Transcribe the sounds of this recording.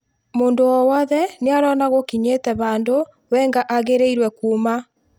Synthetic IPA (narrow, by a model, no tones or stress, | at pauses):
moːndowɔwɔðɛneaɾɔnaɣokiɲetɛβaːndo | wɛŋɡaʔaɣeɾeiɾwɛkuːma